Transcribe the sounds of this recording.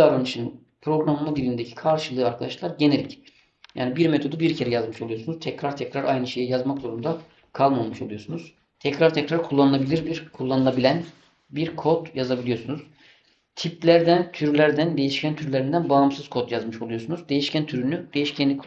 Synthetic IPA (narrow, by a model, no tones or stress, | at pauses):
aɾanɯʃɯn | pʰɾo̞ɡɾamːad̪ilʲind̪ecʰi̥kʰaɾʃɯlˠɯːaɾkʰad̪aʃlˠaɾɟe̞ne̞lʲic | ja̰ːnibiɾmet̪ʰo̞d̪ubiɾcʰe̞ɾɛjazmɯʃo̞lˠujo̞sunuz̥t̪ʰɛcɾaɾt̪ʰɛcɾaɾajnɯʃe̞jɛjazmakzo̞ɾumd̪a | kʰalˠmamɯʃo̞lˠujo̞sunuz̥ | t̪ʰɛcɾaɾt̪ʰɛcɾaɾkʰulˠːanɯlˠabilʲiɾbiɾkʰulˠːanɯlˠabilʲæn | biɾkʰo̞t̪jazabilʲijo̞sunuz | t̪ʰip̚lʲæɾd̪ænt̪ʰyɾlʲæɾd̪ænd̪ejiʃcʰænt̪ʰyɾlʲeɾind̪ænbaːmsɯz̥kʰo̞t̪jazmɯʃo̞lˠujo̞sunuzd̪e̞jiʃcʰænt̪ʰyɾynyd̪e̞jiʃcʰænʲikʰ